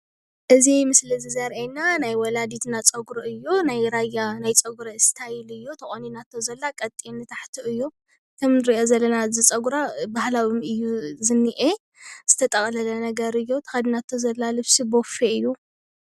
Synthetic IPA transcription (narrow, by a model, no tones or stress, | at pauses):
ʔɨzimɨslɨzizɐɾʔenanajwɔlad̪it̪ʰnat͡sʼɐɡɾɨɨjːonajɾajanajt͡sʼɐɡɾɐst̪ʰajilɨjːot̪ʰɐχʼoninat̪ʰːozɐlːakʼɐt̪ʼːinɨt̪ʰaħt̪ʰuɨjːo | t̪ʰɨmnɨɾiʔozɐlːɐnazɨt͡sʼɐɡuɾabahlawumɨjːuzɨnːiʔe | z̥ɨt̪ʰɐt̪ʼɐχʼlɐlɐnɐɡɐɾɨjːot̪ʰɐ̥xad̪inat̪ʰːozɐlːalɨβsibofeɨjːu